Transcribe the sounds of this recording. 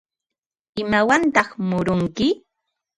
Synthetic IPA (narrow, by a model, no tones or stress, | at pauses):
ɪmawant̪ɑχmʊɾʊŋkɪ